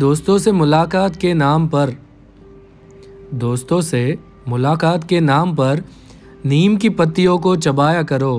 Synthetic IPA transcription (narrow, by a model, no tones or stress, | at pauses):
d̪oːst̪õsemʊlaːkaːt̪kenaːmpɐɾ | d̪oːst̪õse | mʊlaːkaːt̪kenaːmpɐɾ | niːmkipɐt̪ːijõkot͡ʃɐbaːjakɐɾoː